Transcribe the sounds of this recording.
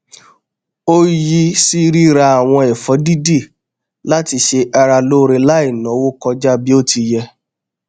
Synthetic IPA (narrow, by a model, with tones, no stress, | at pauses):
o˦ji˧si˦ɾi˦ɾa˧a˨w̃ɔ̃˧ɛ˨fɔ˨˦di˦di˦˨ | la˦ti˧ʃe˧ʔa˧ɾa˧lo˦ɾe˧la˦i˦˨nã˨˦wo˦kɔ˧d͡ʒa˦bi˦o˦ti˧jɛ˧